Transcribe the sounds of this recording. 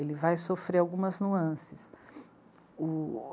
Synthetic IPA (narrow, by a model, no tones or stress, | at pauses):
elɪvajsofɾeɾawɡũmɐznuɐ̃sɪs | ʊ